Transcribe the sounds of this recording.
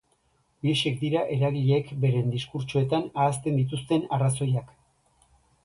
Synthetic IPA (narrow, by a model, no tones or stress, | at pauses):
liʃe̞kd̪iɾaʔe̞ɾaɣiʎekbe̞ɾe̞nd̪iskuɾt͡ʃoe̞t̪anaːst̪e̞nd̪it̪̬ust̪e̞naraso̞jak